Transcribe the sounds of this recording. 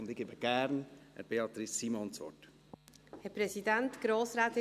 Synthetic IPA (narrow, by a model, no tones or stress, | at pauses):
ʊnd̥̪ɪɡ̥eːbəɡ̥æɾnɛ̰ɾb̥eɑt̪ɾɪsːimɔnsʋɔ̰t | hɛpɾɛsidɛntɡ̥ɾoːsɾaːt̪ɪ